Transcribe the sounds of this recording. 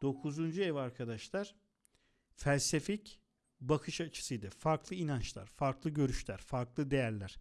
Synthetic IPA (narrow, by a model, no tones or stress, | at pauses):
d̪̥o̞kʰuzund͡ʒuevaɾkʰad̪aʃlˠaɾ̥ | fælʲsefic | bakʰɯʃat͡ʃʰɯ̥sɯjd̪afaɾklˠɯinant͡ʃlˠa̰ɾ̥faɾklˠɯɟø̞ɾyʃlʲæɾ̥faɾklˠɯd̪e̞jæɾlʲæɾ̥